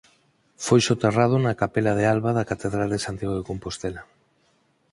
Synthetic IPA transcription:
fojʃot̪erað̞ʊnakapelað̞ealβaðakat̪eðɾald̪esant̪jaɣoekompost̪ela

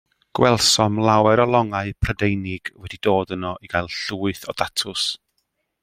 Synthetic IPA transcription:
ɡ̥wʔɛlˠsɔmlˠawɛɾɔlˠɔŋaɨpʰrədejnɪɡ̥wɛdidoːdənɔʔiɡajlˠɬuːɨθɔ̰datʰʊs

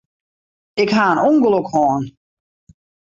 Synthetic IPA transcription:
ɪkɦaːənuŋɡlokhɔːn

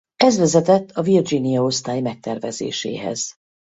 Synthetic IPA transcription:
ɛzvɛzɛt̪ɛt̪ʰːɒvird͡ʒinijɒo̞st̪aːjmɛk̚t̪ɛrvɛzḛːʃḛːɦɛ̰z̥

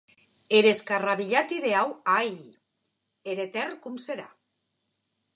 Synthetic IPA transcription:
eɾe̞skaraβiʎat̪iðe̞awaj | eɾet̪erkumseɾa

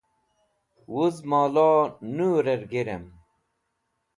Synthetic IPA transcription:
wuzmaːlaːnuːɾeɾɡeɾem

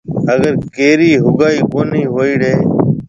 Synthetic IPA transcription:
əɡəɾkeːɾiːɦʊɡaːiːkoːniːɦoːiːɽeː

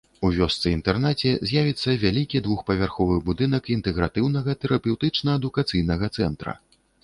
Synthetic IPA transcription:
uvʲɔst̪sɨint̪ɛrnat͡sʲɛzʲjavʲit̪sːɐvʲalʲikʲid̪vuxpɐvʲarxɔvɨbud̪ɨnɐkint̪ɛɣɾat̪ɨwnɐɣɐt̪ɛɾɐpʲɛwt̪ɨt͡ʂnɐɐd̪ukat̪sɨjnɐɣɐt̪sɛnt̪ɾɐ̰

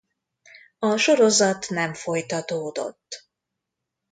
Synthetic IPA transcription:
ɒʃo̞ɾo̞zɒt̪nɛɱfo̞jt̪ɒt̪oːd̪o̞̰t̪ː

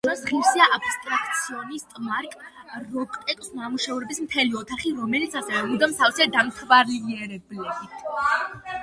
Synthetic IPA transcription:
asʁiɾsiaʔabist̪ʼɾakʰt̪sʰiɔnist̪ʼmaɾkʼɾɔkʼt̪ʼɛkʼsnamuʃɛuɾɛbismt̪ʰɛliɔt̪ʰaχiɾɔmɛlit̪sʰasɛvɛud̪amt̪ʰavsiad̪amt̪ʰvaɾliɛɾɛblɛbit̪ʰ

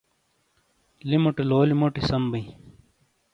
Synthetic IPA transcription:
limoʈiloːlimoʈisɐmbɐ̃

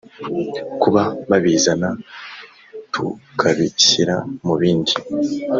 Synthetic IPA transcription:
kuβaβaβizana | tʰukʰaβisiɾa̰muβiːndi

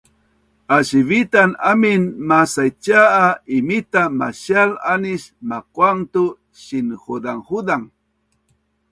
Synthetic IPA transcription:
aʃiβit̪anamɪnmasajt͡ʃaːimit̪ama̰ʃalanɪʃmakwaŋt̪ʊ | ʃɪnxud̪aŋxud̪aŋ

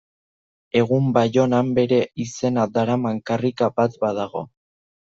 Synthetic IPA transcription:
e̞ɣ̞umbajo̞nambe̞ɾe̞ise̞nad̪aɾamaŋkarikabat̪baðaɣo̞

